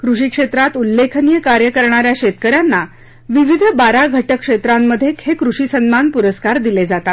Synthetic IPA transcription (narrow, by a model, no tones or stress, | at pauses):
kɾuʂiːkʂet̪ɾat̪ulːekʰnijəkaɾjəkəɾɳaɾjaɕet̪kəɾjanːa | ʋiʋid̪ʱbaɾaɡʱəʈəkʂet̪ɾamːəd̪ʱːjekhekɾuʂiːsənmanpuɾəskaɾd̪iled͡zat̪at̪